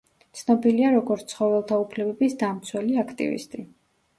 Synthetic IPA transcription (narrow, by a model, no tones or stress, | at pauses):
t̪sʰnɔbiliaɾɔɡɔɾt̪sχɔvɛlˠt̪ʰaupʰlɛbɛbisd̪amt̪sʰwɛliakʰt̪ʼḭvḭst̪ʼi